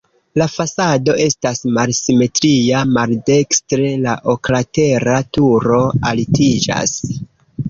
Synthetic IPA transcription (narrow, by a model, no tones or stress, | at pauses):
lafasado̞ʔe̞stasmalsime̞tɾijamalde̞kstɾe̞laʔo̞klate̞ɾatuɾo̞alitid͡ʒa̰s